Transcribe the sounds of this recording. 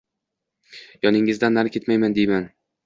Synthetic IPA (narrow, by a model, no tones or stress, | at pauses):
jɒnɪŋːɪzd̪anːaɾkʲʰe̞t̪majmand̪ejman